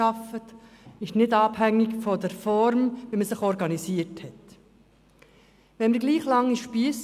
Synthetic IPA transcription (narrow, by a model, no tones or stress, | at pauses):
ɑfət | ɪʃnɪdɑːb̥hæŋːɪkfɔd̪əɾfɔɾmʋiːməsɪχɔɾɡɑnisiːəɾthɛt | ʋɛnməɾɡliːχlɑŋːiʃpiːəs